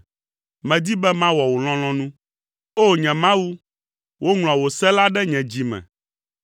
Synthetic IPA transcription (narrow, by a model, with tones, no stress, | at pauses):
mɛ̃˨d̪i˦bɛ˦mã˦wɔ˨wo˨l̃ɔ̃˦l̃ɔ̃˦nũ˦ | o˦ɲɛ̃˨mã˦wu˦ | wʔo˦ŋl̃ɔ̃˨wo˨sɛ˦la˦ɖɛ˦ɲɛ̃˨d͡ʑi˨mɛ̰̃˨